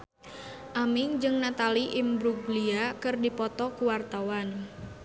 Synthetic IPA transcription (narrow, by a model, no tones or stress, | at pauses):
ʔamɪŋd͡ʒɨŋnat̪aliʔɪmbɾuɡliakɨrdipɔt̪ɔkuwart̪awan